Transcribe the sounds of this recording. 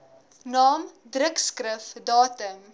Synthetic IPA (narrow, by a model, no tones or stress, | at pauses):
nɑːmdrəkskrəfdɑːtəm